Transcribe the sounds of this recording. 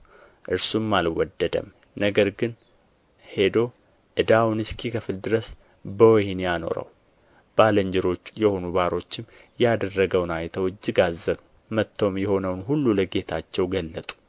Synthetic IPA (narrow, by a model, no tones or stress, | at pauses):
ʔɨɾsumːalwɔd̪ːəd̪ə̰m | nəɡəɾɡɨn | he̞d̪o̞ | ʔɨd̪awnɨskʰikʰəfɨld̪ɨɾəs | bəwɔhɪnjano̞̰ɾə̰w | b̥aləɲd͡ʒɪɾo̞t͡ʃːjɛho̞nubaɾo̞t͡ʃːɪm | jad̪ərːəɡəwnajt̪ʰəwɨd͡ʒːɪɡazːəlu | mət̪ʰːomjɛho̞nəwnɦulːuləɡe̞t̪ʰat͡ʃːɛwɡəlːət̪ʼu̥